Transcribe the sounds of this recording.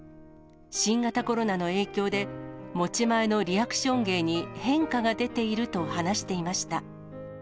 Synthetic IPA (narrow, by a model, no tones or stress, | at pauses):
ɕĩŋɡat̪ako̞ɾo̞nano̞e̞ːkʲo̞ːd̪e̞mo̞t͡ɕimae̞no̞ɾʲiakɯ̥ɕõ̞ŋɡe̞ːɲ̟ihẽ̞ŋkaɡad̪e̞t̪e̞iɾɯ̟t̪o̞hanaɕi̥t̪e̞imaɕi̥t̪a